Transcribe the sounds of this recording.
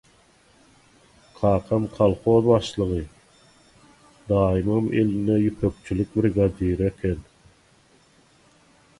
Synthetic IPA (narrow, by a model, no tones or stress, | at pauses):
qʰɑːqʰɑmqʰɑlˠχoːðbɑʃlˠɯʁɯ | d̪ɑːjimɯmḛlinɛjypʰøk̚t͡ʃʰylyk̚bɾɡɑd̪iɾekʲʰen